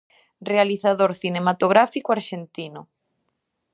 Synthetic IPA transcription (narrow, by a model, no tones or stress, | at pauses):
realiθaðoɾθinemat̪oɣ̞ɾafikoaɾʃent̪inʊ